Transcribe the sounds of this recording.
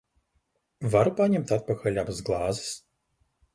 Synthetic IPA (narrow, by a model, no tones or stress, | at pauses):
vaɾupanʲɛmt̪at̪̚pɐxɐlʲabzɡlˠazɨs